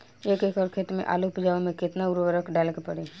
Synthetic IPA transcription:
eːkeːkɔːɾkʰet̪mḛ̃ʔa̰ːlupɪd͡ʒaːomẽkɪt̪naʊɾʋəɾəkɖaːlkepəɽi

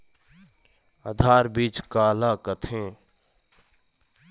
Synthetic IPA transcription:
a̰d̪ʱaːɾbiːt͡ʃkaːlaːkət̪ʰẽː

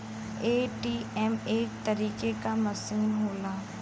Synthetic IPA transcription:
eːʈiːɛmeːk̚t̪ɐɾiːkekamɐsiːnɦoːlaː

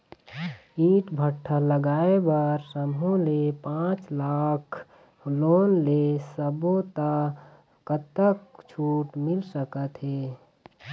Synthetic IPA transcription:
iʈbʱəʈʰːələɡaːebəɾsəmɦũlepãt͡ʃlakʰ | loːnlesəbot̪ə | kət̪əkt͡ʃʰuːʈmɪlsəkət̪ɦeː

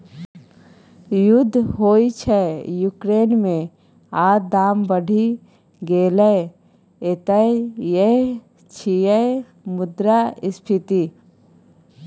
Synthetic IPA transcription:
jʊd̪ʱːɦoːit͡ʃʰɛjuːkɾeːnmẽ | aːɾd̪aːmbəɖʱi | ɡeːlə | et̪əeje | t͡ʃʰijə | mʊd̪ɾaɪspʰɪt̪i

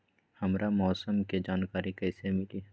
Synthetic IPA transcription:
hɐmɾamɔːsəmked͡ʒaːnkaːɾikɛːsemɪliː

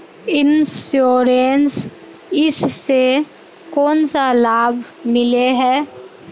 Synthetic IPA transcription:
ɪnsjoːɾens | ɪsːe | kɔːnsalaːbʱ | mɪleɦɛː

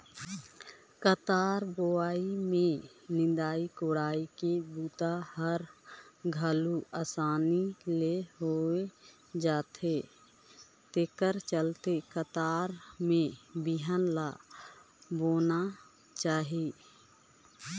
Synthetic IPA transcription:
kət̪aːɾboaːimẽnɪ̃d̪aːikoɽaːikebuːt̪ahəɾɡʱəluasaːnileɦoe | d͡ʒaːt̪ʰe | t̪ekəɾt͡ʃəlt̪ekət̪aːɾmẽbiɦənla | boːna | t͡ʃaːɦi

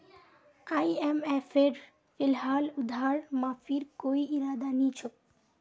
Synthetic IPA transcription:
ajemefeɾ | fɪlɦaːlʊd̪ʱaːɾmãfiɾkoiiɾaːd̪anit͡ʃʰok̚

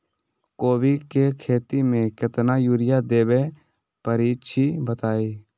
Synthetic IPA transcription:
koːbikekʰeːt̪imẽkɪt̪najuːɾɪjad̪eːbe | pəɾiːt͡ʃʰibət̪aːiː

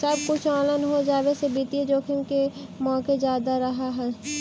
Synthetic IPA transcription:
səbkʊt͡ʃʰɔːlənɦod͡ʒaːʋesebiːt̪ied͡ʒoːkʰɪmkemɔ̃ːked͡ʒjaːd̪aɾɐɦaɦɛː

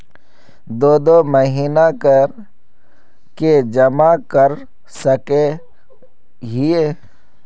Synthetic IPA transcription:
d̪oːd̪oməɦiːnakəɾ | ked͡ʒəmakəɾ | səke | ɦɪeː

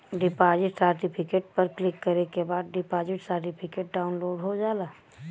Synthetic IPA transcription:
ɖɪpaːd͡ʒɪʈsəːɾʈipʰɪkeːʈ̚pəɾklɪkːɐɾekebaːd̪̚ɖɪpaːd͡ʒɪʈsəɾʈɪpʰɪkeːʈ̚ɖaːʊnloːɖɦod͡ʒaːlaː

